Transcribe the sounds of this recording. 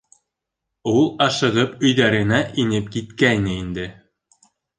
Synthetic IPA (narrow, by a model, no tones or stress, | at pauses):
ulˠɑʃɤ̆ʁɤpɵ̆jðæɾɘ̆næʔinɘp̚kit̪kæjnɘind̪ɘ